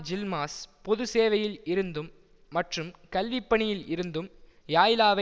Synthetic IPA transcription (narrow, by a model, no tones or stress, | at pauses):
d͡ʒɪlmaːspɔðɯseːʋɐjɪlɪɾɯnd̪ɯmː | ɐʈrɯmkɐlʋipːɐɳɪjɪlɪɾɯnd̪ɯm | jaːjɪlaːʋɐ